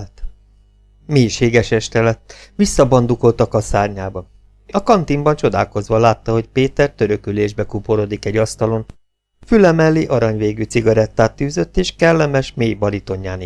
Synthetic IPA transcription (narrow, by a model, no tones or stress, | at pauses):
t̪ | meːjʃeːɡɛʃɛʃt̪ɛlɛt̪ʋisːɒbɒnd̪uko̞lt̪ɒkɒsaːrɲaːbɒ | ɒkɒnt̪imbɒnt͡ʃo̞d̪a̰ːlko̞zʋɒlaːt̪ːɒɦo̞cpeːt̪ɛrt̪øɾøkyleːʒbɛkupoɾod̪ikɛɟɒst̪ɒlo̞n | fylɛmɛlːiʔɒɾɒɲveːɡytsiɡɒɾɛt̪ːaːt̪ːyːzø̞t̪ːeːʃkɛlːɛmɛʃmeːjbɒɾit̪o̞ɲːaːn